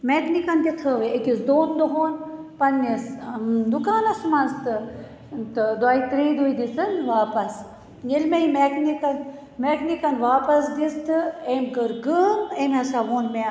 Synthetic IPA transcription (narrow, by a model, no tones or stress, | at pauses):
meːknikɐnt̪ʲit̪ʰəʋeekʲisd̪oːnd̪oɦoːnpɐnːisd̪ukaːnɐsmɐnzt̪ɨ | t̪ɨd̪aːit̪ɾiːd̪uid̪isɨnʋaːpɐs | jelmeimeknikɐn | mekʰnikɐnʋaːpɐsd̪ist̪ʰɨemkəɾɡəmemɐsaːʋoːnme